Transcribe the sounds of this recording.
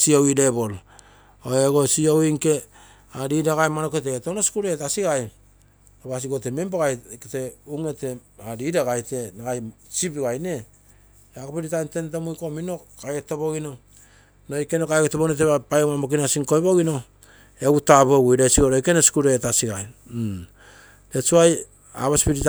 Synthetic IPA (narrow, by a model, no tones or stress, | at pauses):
siowidebol | oeɡosiowiŋke̞ | aɾidaɡajmanoketetonosi̥kuɾetasiɡaj | oβas̬iɡo̞tememboɡajkete̞uŋete | aɾiɾaɡajte̞naɡajsipɡajne̞ | akopiɾitajntentamujko̞mino̞kajɡetobo̞ɡino̞ | nojkenokajɡetoβoinot̬eβapajomamok̬inasiŋko̞jβoɡino̞ | eɡutaboɡujɾasiɡoɾojkenosi̥kuɾetasiɡaj | tet͡ʃuaj | a̰βaspiɾit